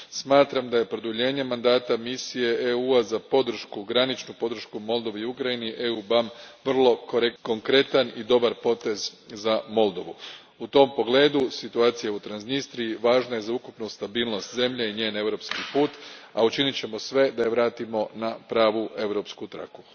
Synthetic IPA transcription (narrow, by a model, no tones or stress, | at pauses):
smaːt̪ɾamd̪aje̞pɾo̞d̪uʎe̞ːɲe̞mand̪aːt̪amisije̞ʔeuazapo̞d̪r̩ʃkuɡɾanit͡ʃnupo̞d̪ɾ̩ʃkumo̞lˠd̪o̞ʋiukɾainiʔe̞ubamʋr̩lˠo̞koɾeko̞ŋkɾe̞t̪anid̪o̞baɾpo̞t̪e̞zzamo̞lˠd̪o̞ʋu | ut̪o̞mpo̞ɡle̞ːd̪usit̪uaːt̪sijaut̪ɾanznist̪ɾijiʋaːʒnaje̞zaukupnust̪abiːlˠno̞st̪ze̞mʎeiɲe̞ːne̞ʋɾo̞pskipuːt̪aut͡ʃinit͡ɕe̞mo̞sʋe̞d̪ajeʋɾaːt̪imo̞napɾaːʋuʔe̞ʋɾo̞pskut̪ɾa̰ku̥